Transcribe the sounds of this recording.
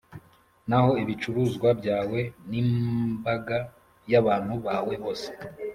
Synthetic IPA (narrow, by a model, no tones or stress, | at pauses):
naho̞iβit͡ʃuɾuːzɡwabɟaːwe̞nibaɡa | jaβaːn̥huβaːwe̞βo̞ːse̥